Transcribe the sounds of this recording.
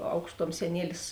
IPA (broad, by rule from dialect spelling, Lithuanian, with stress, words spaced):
ˈɐʊkʃˌtuɔm sʲɛˈnʲiɛlʲɪs